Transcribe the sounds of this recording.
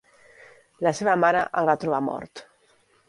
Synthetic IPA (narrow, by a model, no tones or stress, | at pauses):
ləseβəmaɾəʔalβat̪ɾuβ̞amɔ̰ɾt̪